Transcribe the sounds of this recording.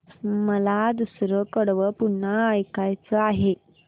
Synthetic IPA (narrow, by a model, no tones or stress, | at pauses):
məlad̪usɾəkəɽʋəpuɳːəːjkajt͡səaɦe